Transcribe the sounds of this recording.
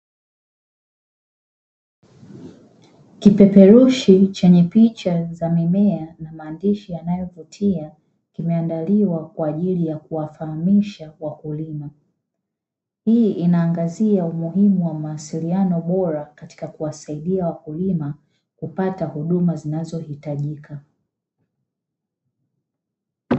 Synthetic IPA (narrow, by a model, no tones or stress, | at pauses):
kipɛpɛɾuʃit͡ʃɛɲɛpit͡ʃazamimɛanamaːndiʃijanajɔvutʰia | kimɛandaliwakwaːʄilijakuwafahamiʃawakulima | hiːʔinaːŋɡaziaumuhimuwamaːsilianɔɓɔɾakati̥kakuwasaiɗiawakulima | kupatahuɗumazinazɔhitaʄika